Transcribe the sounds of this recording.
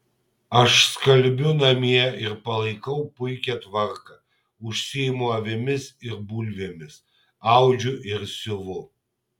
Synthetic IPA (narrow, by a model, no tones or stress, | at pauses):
ɐʃskɐlʲˑbʲʊnɐmʲiɛɪɾpɐlˠɐɪkɐʊpʊɪkʲɛt̪ʋɐɾkɐ | ʊʃʲsʲɪjɪmʊɐʋʲɪmʲɪsɪɾbuːlʲʋʲeːmʲɪs | ɑʊd͡ʒʲʊʔɪɾsʲʊʋʊ